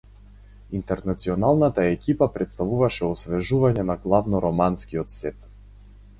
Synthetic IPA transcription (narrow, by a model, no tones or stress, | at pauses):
int̪ɛɾnat̪siɔnalˠnat̪aɛkʲipapɾɛt̪st̪avuvaʃɛɔsvɛʒuvaɲɛnaɡlˠavnɔɾɔmanskiɔt̪sɛt̪